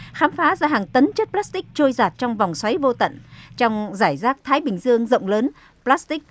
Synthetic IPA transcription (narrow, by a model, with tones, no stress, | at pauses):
xaː˨˦mfaː˨˦zaː˧ɦaː˨˩ŋt̪ə˨˦nt͡ɕə˦˥t̚plaː˦˥st̪ï˦˥k̚t͡ɕo˧jzaː˨˩t̚t͡ɕɔ˧wŋ͡mva˨˩wŋ͡mswa˨˦jvo˧t̪ə̰˧˨nt͡ɕɔ˧wŋ͡mzaː˧˩jzaː˦˥k̚t̪ʰaː˨˦jɓï˨˩ŋ̟zɨ˧əŋzə̰˧˨wŋ͡mləː˨˦n | plaː˦˥st̪i˦˥k̚